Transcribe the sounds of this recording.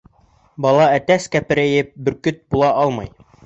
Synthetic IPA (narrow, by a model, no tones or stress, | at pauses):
bɑlˠɑæt̪æskæpɘ̆ɾæjɘp̚bɘ̆ɾkɵt̪̚bulˠɑʔɑlˠmɑj